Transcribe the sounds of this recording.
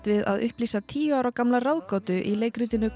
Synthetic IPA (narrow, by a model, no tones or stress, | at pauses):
t̪vɪða̰ðʏ̰hpliːsat̪ʰiːjʏaːwɾawkamlarawðkɔːt̪ʏʔileːjkɾiːt̪ɪnʏ